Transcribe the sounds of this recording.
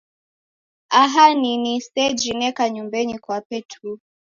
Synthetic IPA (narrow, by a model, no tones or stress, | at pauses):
aɦaninisɛd͡ʒinɛkaɲumbɛɲikwapɛtʰu